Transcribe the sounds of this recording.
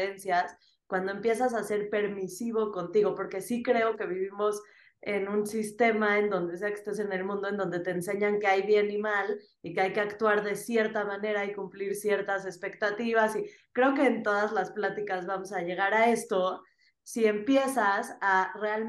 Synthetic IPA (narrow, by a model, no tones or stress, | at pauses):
ensjas | kwand̪o̞e̞mpje̞s̬as̬ase̞ɾpe̞ɾmisiβo̞ko̞nt̪iɣ̞o̞po̞ɾke̞sikɾe̞o̞ke̞β̞iβimo̞s | e̞nũnsist̪e̞maend̪o̞nd̪es̬eake̥st̪ese̞ne̞lmũnd̪oend̪o̞nd̪e̞t̪e̞ːnse̞ɲaŋke̞ajβje̞nimal | ikeajke̞akt̪waɾðe̞sje̞ɾt̪amãne̞ɾaikumpliɾsje̞ɾt̪as̬e̞spe̞kt̪at̪iβ̞asi | kɾe̞o̞ke̞ːnt̪o̞ð̞azlasplat̪ikazβamo̞saʝe̞ɣ̞aɾae̞st̪o̞ | sie̞mpje̞sasare̞al